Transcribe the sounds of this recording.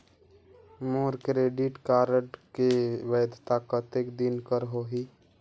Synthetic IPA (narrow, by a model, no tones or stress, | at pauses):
moːɾkɾeːɖiʈkaːɾəʈkeʋəːd̪ʱt̪akət̪ekd̪inkəɾɦoɦi